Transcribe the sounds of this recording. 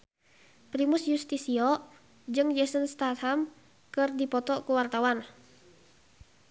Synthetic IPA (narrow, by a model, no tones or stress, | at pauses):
pɾimusjust̪isiɔ | d͡ʒɨŋd͡ʒɛsənst̪at̪ham | kɨrdipɔt̪ɔʔkuwart̪awan